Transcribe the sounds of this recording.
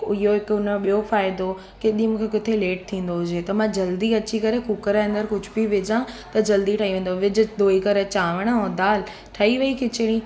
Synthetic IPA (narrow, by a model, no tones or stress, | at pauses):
ɪjoɦɪkʊnɓijofaːɪd̪o | keɗĩmũːkʰekɪt̪ʰeleːʈ̚t̪ʰĩːn̆d̪oɦʊd͡ʑeːt̪ɐmãd͡ʑɐld̪iɐt͡ɕikɐɾekukəɾeɐ̃nd̪əɾkʊd͡ʑʱʊbiʋɪd͡ʑãt̪ɐd͡ʑɐld̪iʈʰaːɦiʋẽːn̆d̪oʋɪd͡ʑʊ̆d̪oːikɐɾet͡ɕaːʋəɽ̃ɦõd̪aːl | ʈʰɐiʋɐikɪt͡ɕɪɽ̃ĩː